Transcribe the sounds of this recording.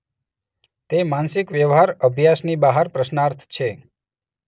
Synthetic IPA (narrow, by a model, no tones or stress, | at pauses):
t̪emansɪkʋjəʋɦaɾəbʱjasnibaɦəɾpɾəʃnaɾt̪ʰt͡ʃʰe